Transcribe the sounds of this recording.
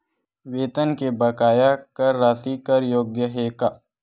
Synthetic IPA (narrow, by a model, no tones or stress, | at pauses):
ʋeːt̪ənkebɐkaːjakɐɾːaːsikɐɾjoːɡjəɦeːkaː